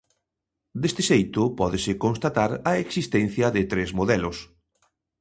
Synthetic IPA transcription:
d̪est̪ɪʃejt̪ʊpɔðɪsɪkonst̪at̪aɾɐeksist̪ɛn̟θjɐðɪt̪ɾezmoðɛlʊs

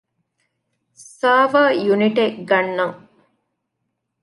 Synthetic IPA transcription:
saːʋɐjuniʈeɡɐnːɐŋ

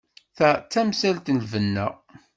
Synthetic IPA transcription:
θæt͡sːæmsælt̪nlvənːæ̰

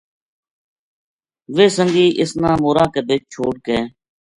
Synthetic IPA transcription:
ʋeːsəŋɡiːʔɪsnãːmoːɾãːkebʱet͡ʃ̚t͡ʃʰoːɽ̚keː

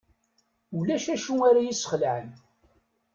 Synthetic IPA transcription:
ulæʃæʃuaɾajisə̥χəlʕən

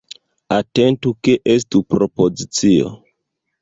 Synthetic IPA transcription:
ate̞ntukeʔes̬tupɾopozit͡sio̰

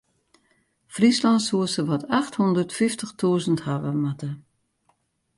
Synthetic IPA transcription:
frislɑntsuəsəʋɔtʰaxthɔndərtfɪftəxtʰuəzənthaʋəmatə

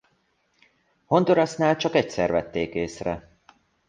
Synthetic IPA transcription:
ho̞nd̪oɾɑsnaːlt͡ʃɒkɛcsɛrvɛt̪ːeːkeːsrɛ

